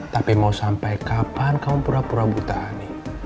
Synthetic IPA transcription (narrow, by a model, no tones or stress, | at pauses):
t̪apimausampajkabankaupuɾapuɾabut̪ahane